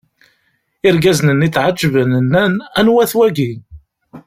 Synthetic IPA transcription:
ɪɾɡæznənit͡sːʕad͡ʒːəvənənːænænwæθwæɡi

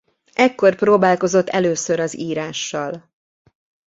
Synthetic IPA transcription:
ʔɛkːo̞rproːbaːlko̞zo̞t̪ːɛløːsø̞ɾɒziːɾaːʃːɒl

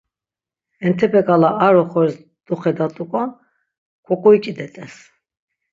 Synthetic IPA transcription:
ɛnt̪ʰɛpʰɛkʼalaaɾɔχɔɾs | d̪uχɛd̪at̪ʼukʼa | kʰʼɔkʼɔit͡ʃʼid̪ɛt̪ʼɛs

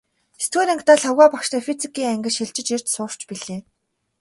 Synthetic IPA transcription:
est̪ɡeːɾaŋkt̪aːɮɔɣaːpakʃt̪afit͡sikiːŋæŋɡʲə̆ʃiɮt͡ɕɪ̆t͡ɕir̥ʲt͡ɕsʊːr̥t͡ɕpiɮeː

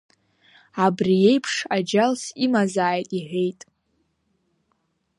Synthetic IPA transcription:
abrije̞jpʰʂad͡ʒalsimazaːjtʼiħʷᶣe̞jtʼ

